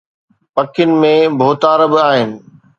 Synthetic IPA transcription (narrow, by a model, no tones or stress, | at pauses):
pɐkʰɪnɪ̆mẽbʱoːt̪aːɾbɪaːɦɪnɪ̆